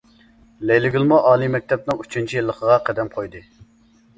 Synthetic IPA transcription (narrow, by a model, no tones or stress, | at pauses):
lejlɪɡʲilˠmuʔɑːlˠijmɛk̚ʲt̪ʰɛp̚nɨŋyt͡ʃʰynt͡ʃʰijilˠːəqʰəʁɑqʰæd̪ɛmqʰojd̪ɨ